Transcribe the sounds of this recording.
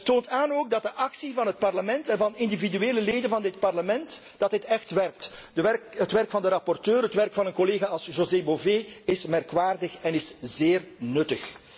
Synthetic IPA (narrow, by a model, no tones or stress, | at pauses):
toːntaːnoːɡ̚dɑt̚dəʔɑksivɑnɦət̚pɑrləmɛntɛnvɑnɪndividyeːləleːdənvɑndɪt̚pɑrləmɛnt | d̥ɑtɦɪtɛxtʋɛrk̚tdəɛrkətʋɛrkfɑndəɾɑpɔrtøːrɦətʋɛrkfɑnənkɔleːɣaːɑlˠsʒozeboveːɪsmɛrkʋaːrdəxɛnɪszeːrnɵtəx